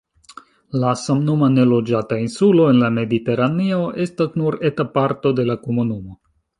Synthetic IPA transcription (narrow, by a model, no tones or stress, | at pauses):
lasamnumane̞lo̞d͡ʒatainsulo̞e̞nlame̞dite̞ɾanioʔe̞stasnuɾe̞tapaɾto̞de̞lako̞munumo̞